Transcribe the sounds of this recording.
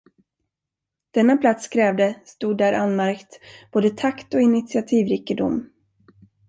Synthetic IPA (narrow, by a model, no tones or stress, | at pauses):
d̪̥ɛnːapʰlat̪skʰɾɛːvd̪əst̪uːd̪ːæːɾʔanmæɾkt̪b̥oːd̪ət̪ʰakt̪ɔɪnɪt̪sɪat̪ʰiːvɾɪkːəd̪ʊ̰mː